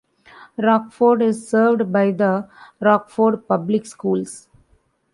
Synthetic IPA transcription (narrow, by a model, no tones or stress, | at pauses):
ɾɔːkfoːɖɪzsəːɾʋɖbaɪd̪əɾɔːkfoːɖpʌblɪkskuːls